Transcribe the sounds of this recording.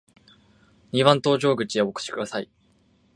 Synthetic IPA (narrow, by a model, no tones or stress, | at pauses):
ɲ̟ʲiβãnt̪o̞ːʑo̞ːɡɯ̟t͡ɕieoko̥ɕi̥kɯ̟d̪asai